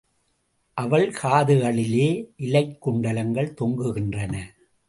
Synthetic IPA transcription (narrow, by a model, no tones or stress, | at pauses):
ʔɐʋɐɭkaːðɯɣɐɭɪleːʔɪlɐɪkːʊɳɖɐlɐŋɡɐɭt̪ɔŋɡɯɣɪndrɐnɐ